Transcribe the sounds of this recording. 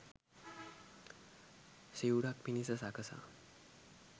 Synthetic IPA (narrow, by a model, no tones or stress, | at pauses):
sewɽak̚pinisasakəsa̰